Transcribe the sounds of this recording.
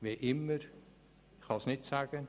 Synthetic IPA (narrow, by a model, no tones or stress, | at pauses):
ʋeʔɪmər | xɑsnɪtsaːɡən